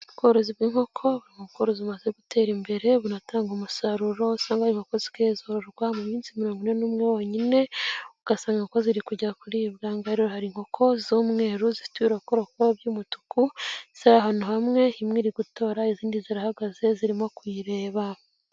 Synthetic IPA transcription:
βuɡoɾoziβɡiːŋ̥ho̞kʰo̞βuɾiŋoβuɡoɾoziumazeɡute̞ːɾimbe̞ɾe̞βunataːŋɡomusaɾuɾo̞saːŋɡahaɾiŋokozi̥kezoɾoɾɡwamumiːnsimiɾoːŋɡunenumŋewoɲine̞uɡ̥asaːŋɡakoziɾikuɟakuɾiβɡaːŋɡaɾohaɾiŋ̥ho̞kʰo̞zuːmŋe̞ːɾuzifi̥twiɾakoɾokoβjuːmutu̥kʰuz̥aaɦanuhamŋe̞imŋiɾiɡuto̞ːɾaiziːndiziɾahaɡaze̞ziɾimokwiɾe̞ːβa

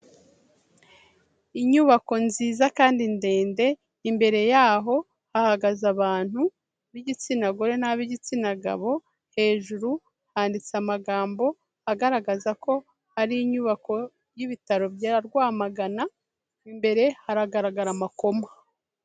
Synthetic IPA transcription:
iɲuβako̞nziːzakaːndinde̞ːnde̞ | imbe̞ɾe̞jaːɦo̞ | hahaɡazaβaːn̥hu | βiɟit͡sinaɡoɾe̞naβiɟit͡sinaɡa̰βo̞ | he̞ːʒuɾu | haːndit͡samaɡaːmbo̞ | haɡaɾaɡazako̞ | haɾiːɲuːβako̞ | jiβitaɾo̞bjaɾaɾɡwaːmaɡana | imbe̞ɾe̞haɾaɡaɾaɡaɾamako̞ma

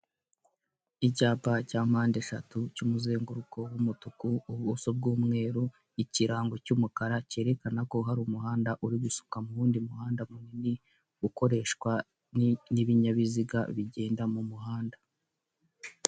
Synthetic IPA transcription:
icaːpacaːmaːndeʃatucumuze̞ːŋɡuɾuko̞wumutukuːβusob̚ɡuːmŋe̞ːɾu | iciɾaːŋɡo̞cumukaɾace̞ːɾe̞kanako̞ɦaɾumuɦaːndaʔuɾiisu̥kamuɾuːndimuhaːndamumŋeni | uko̞ɾe̞ːʃkwa | niniβiɲaβiziɡa̰βiɟe̞ːndamumuɦaːnda

